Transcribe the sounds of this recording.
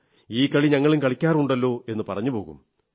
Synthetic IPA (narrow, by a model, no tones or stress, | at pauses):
iːkɐɭiɲɐŋːɐɭumkɐɭikʲːaːruɳɖɐlːo̞ːe̞nːɨpɐrɐɲːupo̞ːɣṵm